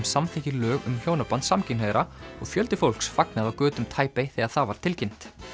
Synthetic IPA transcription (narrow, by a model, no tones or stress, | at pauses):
msamθɛhcɪlœːɣʏ̰mçjoːwnapant̪samcɪnheðɾaɔɣfjœlt̪ɪfowl̥ksfaknaðawkœːt̪ʏmt̪ʰaːjpejθɛɣaθavaɾ̥t̪ʰɪlcɪn̥t̪